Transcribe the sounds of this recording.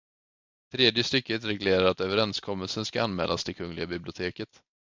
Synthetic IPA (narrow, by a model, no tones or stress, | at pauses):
t̪ʰɾeːd̪jəst̪ʏkːət̪ɾɛɡleːɾaɾat̪øːvəɾɛnskʰɔmːəlsənskaanmɛ̰ːlʔa̰st̪ʰɪlkʰɵŋːlɪɡabɪblɪʊt̪ʰeːkət̪